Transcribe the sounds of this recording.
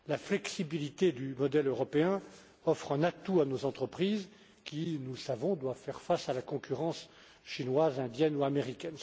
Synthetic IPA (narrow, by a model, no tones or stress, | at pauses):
laflɛksibilit̪ed̪ymɔd̪ɛløʁɔpeɛ̃ | ɔfχɛ̃nat̪uanozɑ̃t̪χəpχiz | kʲinusavɔ̃d̪wavfɛʁfasalakɔ̃kʲyʁɑ̃s | ʃinwazɛ̃d̪jɛnuameʁikʲɛn